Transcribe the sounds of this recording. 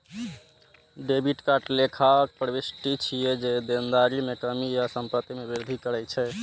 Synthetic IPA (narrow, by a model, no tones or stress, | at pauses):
ɖebiʈkaʈlekʰaək̚pɾəbisʈit͡ʃʰijed͡ʒed̪end̪aɾimekəmijasəmpət̪imebiɾd̪ʱikəɾɛjt͡ʃʰɛ